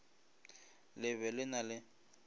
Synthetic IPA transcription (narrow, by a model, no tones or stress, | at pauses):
lɪβɛlɪnalɪ